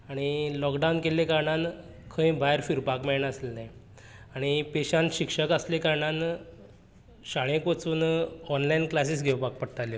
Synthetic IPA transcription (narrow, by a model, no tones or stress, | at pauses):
aɽ̃ilɔkɖawnkelekaɾɳan | kʰə̃ĩbʱajɾfiɾpakmeɭɳaəselnaj | aɽ̃ipeɕanɕikʂəkaslekaɾɳãn | ɕaɽ̃ẽkʋət͡suːnɔnlainklas̬isɡʱewpak̚pəɽt̪alje